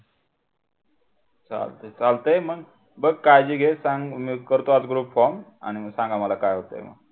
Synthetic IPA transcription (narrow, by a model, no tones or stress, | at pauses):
t͡sa̰lt̪ət͡salt̪eməɡ | bəɡ̚kajd͡ʑiːɡʱesãŋɡmikəɾt̪oat͡sɡɾuːpfɔma̰ñiməɡsãŋɡaməlakajɦot̪ə̰ḛmə̰ɡ